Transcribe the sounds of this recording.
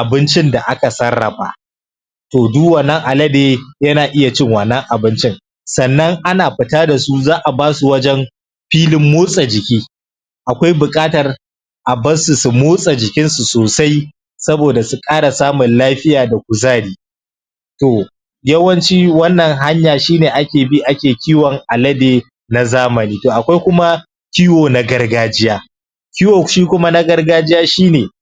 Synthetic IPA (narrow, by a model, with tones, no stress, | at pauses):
ʔa˨bɪ˦nt͡ʃɪ˦nda˨ʔa˦ka˨sɐ˦rːɐ˨ɸa̰˨ | toː˨duː˦wɐ˨nɐ˦ŋʔa˨lɐ˦deː˦jɐ˦naː˨ʔɪ˦ja˨t͡ʃɪ˦ŋwɐ˨nːɐ˦ŋʔa˨bɪ˦nt͡ʃɪ˦ŋ | sɐ˨nːɐ˦ŋʔa˦naː˨ɸɪ˨taː˦da˨su˦zaː˦ʔa˨baː˦su˨wɐ˦d͡ʒɛ˦m | ɸiː˦lɪ˦mːoː˦sʼa˨d͡ʒɪ˨kʲiː˦ | ʔa˨kʷa˦jbʊ˨kʼaː˦tɐ˨r | ʔa˨bɐ˦nsu˨su˨moː˦sʼa˨d͡ʒɪ˨kʲɪ˦nsu˨soː˨sa˦j | sɐ˦boː˨da˨su˨kʼaː˦ɽa˨saː˦mʊ˨nlaː˦ɸɪ˦jaː˨da˨kʷʊ˨zaː˦ɽiː˦ | toː˨ | jɐ˦wɐ˦nt͡ʃiː˦wɐ˦nːɐ˨ŋɦa˦ɲjaː˨ʃiː˦neː˨ʔa˦kʲeː˨bi˦ʔa˦kʲeː˨kʲiː˦wɔ˨ŋʔa˨lɐ˦deː˨ | na˨zaː˦mɐ˨niː˦toː˨ʔa˨kʷa˦jkʷʊ˦ma˦ | kʲiː˦woː˨na˨ɡɐ˦rɡaː˦d͡ʒɪ˦jaː˦ | kʲiː˦woː˨ʃiː˦kʷʊ˦ma˦na˦ɡɐ˦rɡaː˦d͡ʒɪ˦jaː˦ʃiː˦neː˨